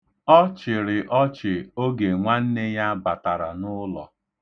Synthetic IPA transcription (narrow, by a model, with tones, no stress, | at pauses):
ɔ˦t͡ʃɪ˨ɾɪ˨ʔɔ˦t͡ʃɪ˨o˦ɡe˨ŋʷa˦n̩˦ne˦ja˦ba˨ta˨ɾa˨nʊ˦lɔ̰˨